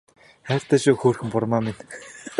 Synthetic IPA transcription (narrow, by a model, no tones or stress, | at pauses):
χæːr̥ʲt̪ʰæːʃʊːxoːrxɘ̆mpʊrmaːmin